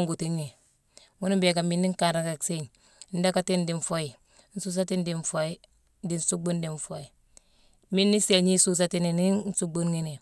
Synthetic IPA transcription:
ŋɡu˨ti˦ɲːi˨ | ŋu˦ni˦be˨ɡa˨mi˦nːi˦ŋ˦ka˨ɾa˨ka˨kse˦ɲ˦ | n̩˦da˦ka˦ti˦ndi˨nfo˦ji˨ | n̩˦su˦s̬a˦ti˦ndi˨nfo˦i˦ | di˨n˦su˦ɡ͡bu˦ndi˨ɱfo˦i˨ | mi˦nːi˦se˨ɲi˦su˦s̬a˦ti˦ni˨ni˦n̩˦su˦ɡ͡bu˦nŋi˦ni˨

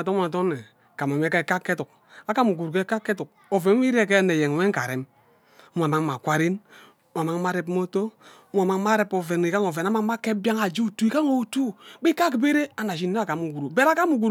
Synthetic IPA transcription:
to˦˨t̬o˦nːe˨ | ka˨m˨a˨me˦ke˦ka˦kːe˦tu˨k̚ | a˦ka˦mu˨ɡu˨ɾu˨ke˦ka˦kːe˦tu˨k̚ | o˨ve˨n˦i˦ɾe˦˨ke˦ne˨je˨ŋ˨we˦ŋ˦ka˨ɾe˨m˦ | m˨a˨ma˦ŋma˨kʷa˦ɾi˦n˦ | m˦a˨ma˦ŋma˦ɾe˦p̬mo˦to˦ | ma˨ma˦ŋ˦ma˦ɾe˦po˨ve˨ni˨ka˦ŋo˨ve˨na˦ma˦ŋ˦ma˦ke˦bja˦ŋa˨d͡ʒi˦u˦˨tu˦i˦ka˦ŋo˨u˨tu˦bi˦ka˦ki˨be˦ɾe˦a˨n˨a˨ʃ̬i˨nː˦e˦a˨ka˨mu˨ɡu˨ɾu˨be˦ɾa˦ka˦mu˨ɡu˨ɾ

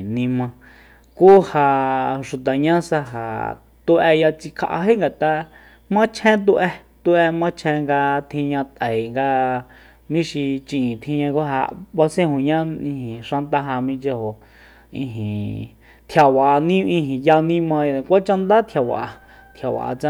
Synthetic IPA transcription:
nĩ˧mã˧ | kuː˦ha˧ʂu˨t̪a˨ɲã˦sa˧ɦa̰˨ | t̪u˧ʔɛ˧ja˧t͡si˧kʰa̰˧ʔa̰˧ɦe˦ŋɡa˨t̪a˧ | mã˦t͡ʃʰẽ˦t̪̬u˧ʔɛ˧t̪u˧ʔe˧mã˦t͡ʃʰẽ˧ŋɡa˧t̪ʰĩ˧ɲã˧t̪ə˨i˨ŋɡa˧ | mĩ˦ʃi˧t͡ʃĩ˧ĩ˨t̪ʰĩ˧ɲã˧ku˦ɦa̰˧wa˧sẽ˦hõ˨ɲã˦ĩ˧hĩ˨ʂã˧nt̪a˧ɦa˧mĩ˧t͡ʃe˧ho˨ | ḭ̃˧ɦĩ˨ | t̪ʰja˨wa˨˧nĩ˦ĩ˧ɦĩ˨ja˧nĩ˦mã˧ja˧kʷa˦t͡ʃa˧nd̪a˦t̪ʰja˨wa̰˨ʔa˧ | t̪ʰja˨wa̰˨ʔa̰˧t͡sã˧

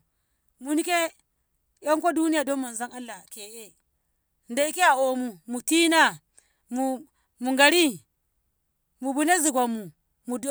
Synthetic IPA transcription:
mu˨ni˦ke˦ | ja˦ŋko˦du˦ni˦ja˨do˦mmːa˨nza˦ŋa˦lːa˨ke˨ʔe˦˨ | nda˨i˦ke˦a˨o˨mu˨mu˨ti˦na˦ | mu˨ | mu˨ŋɡa˨ɾi˦ | mu˨bu˦ne˦zi˨ɡʷa˨mːu˨ | mu˨d

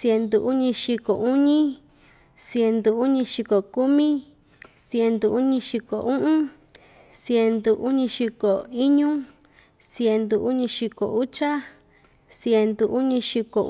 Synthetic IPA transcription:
sje˧nd̪u˨ʔu˦ɲĩ˧ʃi˧ko˨ʔu˦ɲĩ˦ | sje˧nd̪u˨u˦ɲĩ˧ʃi˧ko˨ku˦mĩ˦ | sje˧nd̪u˧u˦ɲĩ˧ʃi˧ko̰˨ʔũ˦ʔũ˦ | sje˧nd̪u˨˧ʔu˦ɲĩ˧ʃi˧ko˨i˦ɲũ˦ | sje˧nd̪u˧u˦ɲĩ˧ʃi˧ko̰˨u˦t͡ʃa˦ | sje˧nd̪u˧ʔu˦ɲĩ˧ʃi˧ko̰˨

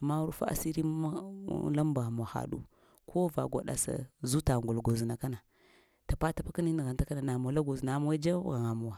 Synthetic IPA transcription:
ma˦u˦ɾfa̰˦ʔa̰˨si˦ɾḭ˦la˦mba˨m˨a˨xa̰˨ɗṵ˦ | kʰo˦va̰˨ɡa̰˨ɗa̰˨sa̰˨zu˦ta˨ŋɡu˨lɡo˨zi˨na˨ka˦na˨ | ta˨pa˦ta˨pa˦ki˦ni˦ni˨ɣa˨n˨ta˦ka˦na˨na˨m˨o˨˦la˦ɡo˨zi˨na˨ma˦wa˦d͡ʒa˦˨ɣa˨ŋa˨mu˨wa˨

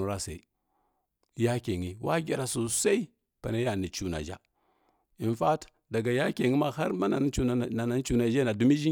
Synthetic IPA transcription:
u˨ɾa˦sa˨i˨ | ja˦ke˨ŋi˨wʔa̰˦ɡʲi˨ɾa˨su˨sa˦i˦ | pa˨na˦ja˨ni˨t͡ʃu˨na̰˨d͡ʒa̰˦ | i˨nfa˦t | da˨ɡa˨ja˦ke˨ŋi˦ma˦ha˦ɾma˦na˨˦u˦˨a˨na˨˦n˦t͡ʃu˦na˨d͡ʒa˦na˨du˦mi˦d͡ʒi˦

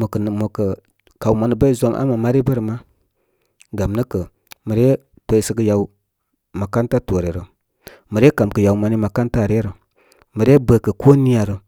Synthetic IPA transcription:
mə˨kə˨ | ka˨wma˨nə˨bə˦i˦zo˦mʔa̰˦ma˨ma˦ɾi˦bə˦ɾə˨ma˦ | ɡa˨mnə˦kə˨ | mə˨ɾe˦ | to˨i˨sə˦kə˧ja˨u˦ | ma˨ka˦nta˦to˨ɾe˨ɾə˨ | mə˨ɾe˦ka˨mkə˨ja˨u˨ma˨ni˦ma˨ka˦nta˦˨ɾe˦ɾə˨ | mə˨ɾe˦bə˨kə˨ko˦ni˦a˨ɾə˨

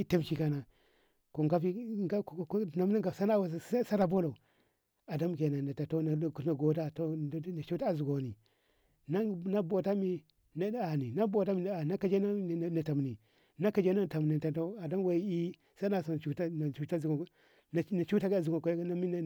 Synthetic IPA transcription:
i˦ta˦mt͡ʃi˨ka˨na˨ | ko˨ŋɡa˦pi˦ɡa˦˨˦na˦mna˦ŋɡa˨sa˦na˦wa˨a˦sa˦ɾa˨bo˦lo˨ | a˨da˦mke˨na˨na˨ta˨to˦n˨kna˨ɡo˨ta˦to˦˨˦na˨t͡ʃu˦ta˦a˨zu˨ɡo˨ni˨ | na˦na˦bo˨ta˦mi˨ | na˦a˨ni˨na˦bo˨ta˦mi˨a˨na˦ka˨d͡ʒe˦na˦˨na˨ta˨m˨ni˨ | na˦ka˨d͡ʒe˦na˦˨ta˨m˨ni˨ta˨to˦a˨da˦m˦we˨i˦i˦ | sa˦na˨so˨n˨t͡ʃu˦ta˦na˨u˦ta˦˨ɡ | na˨˦na˨t͡ʃu˦ta˦ɡzu˨ɡo˨ko˨˦na˦mi˦n˨

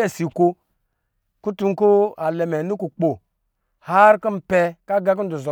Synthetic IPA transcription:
e˦˨si˨ko˧ | ku˦tu˧˦ku˦a˨lɛ˨mɛ˨nu˦ku˨k͡po˨ | ha˦ɾku˦m̩˨pɛ˦˧ka˦ɡa˦k̬u˦n̩˦du˨zɔ˨

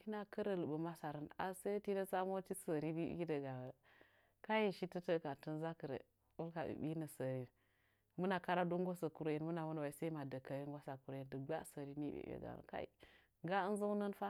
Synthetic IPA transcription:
hi˦na˦kə˦ɾə˨lə˨bə˨ma˦sa˨ɾə˦na̰˨se˦ti˦nə˦t͡sa˦mo˦ti˦sə˨ɾi˦dḭ˦ɡi˦də˨ɡa˨wə˨ | ka˦ji˦˨ʃi˦tə˦tə˦ka˨tə˦nza˦kə˨ɾḛ˨ | wu˦lka˨ḭ˨bi˦nə˨sə˨ɾi˦n | mu˦na˨ka˦ɾa˦du˦ŋɡo˦sə˨ku˨ɾo˦ji˨nmu˦na˨mu˦n˨wa˨i˨˦se˦i˦ma˨də˨ka˨ji˦ŋɡa˦sa˨ku˨ɾo˨˦i˦˨ndə˨ɡ͡ba˦sə˨ɾi˦ni˦bḛ˨bḛ˨ɡa̰˨nə̰˨ka̰˦ḭ˨ | ɡa˦ə˦n˦zə˦nə˦nfa˦

